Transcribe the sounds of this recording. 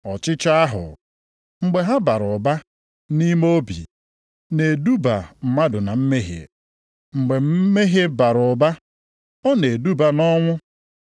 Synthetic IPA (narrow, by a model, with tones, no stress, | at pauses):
ɔ˨t͡ʃɪ˦t͡ʃa˦a˦ɦʊ̰˨ | ŋ͡m̩˦ɡ͡be˨ɦa˦ba˨ɾʊ˨ba˦ | ni˦mo˦bḭ˨ | ne˨du˦ba˨m̩˨ma˦dʊ˨na˨m̩˦me˦ɦḛ˨ | ŋ͡m̩˨ɡ͡be˨m̩˦me˦ɦe˦ba˨ɾʊ˨ba˦ | ɔ˦ne˨du˦ba˨nɔ˦ŋʷʊ˦